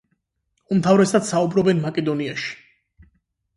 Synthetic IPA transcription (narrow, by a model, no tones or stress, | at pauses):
umt̪ʰavɾɛsad̪saubɾɔbɛnmakʼɛd̪ɔniaʃi̥